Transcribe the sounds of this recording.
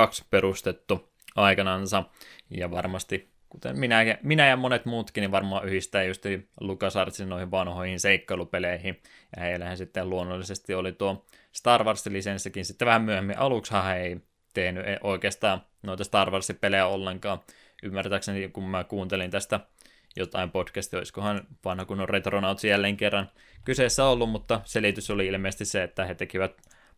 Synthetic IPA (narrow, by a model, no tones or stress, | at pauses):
ɑksperust̪et̪ːu | ʔɑikɑnɑnsɑjɑʋɑrmɑst̪i | kut̪ḛmminækæminæjɑmonet̪muːt̪kiniʋʋɑrmoɑʔyhist̪æːjust̪ilukɑsɑrt̪sinnoˑihiʋʋɑnhoihinseikːɑilupeleihi | jɑ̰heilːæhænsit̪ːeluonːolːisest̪iolit̪uo | st̪ɑrʋɑrsilisensːikinsit̪ːeʋæhæmmyøhemːiʔɑlukshɑːhæei | t̪ehnyʔeʔoikeːst̪ɑː | noit̪ɑst̪ɑrʋɑrsipelejæolːeŋkɑː | ʔymːært̪æːksenikummækuːnt̪elint̪æst̪æ | jot̪ɑimpotkæst̪ioiskohɑnʋɑnhɑkunoret̪ronɑut̪sijælːeːŋkerːɑn | kyseˑsːæolːummut̪ːɑselit̪ysoliilmeːst̪isseet̪ːæhet̪ekiʋæt̪